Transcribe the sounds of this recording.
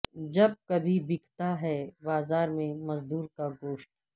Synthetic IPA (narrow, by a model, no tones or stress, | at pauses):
d͡ʒɐb̚kɐbʱibɪkt̪aɦɛbaːzaːɾmẽmɐzd̪uːɾkaɡoːʃʈ̚